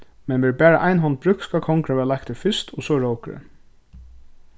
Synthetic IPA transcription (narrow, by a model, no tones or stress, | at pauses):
mɛnʋɛːɹbæːɹaʔaɪnɦɔnt̪̚bɾʏkskɑkʰɔŋkɾaʋɛːlak̚t̪ʰɪfɪst̪ɔsɔɹowkɾə̰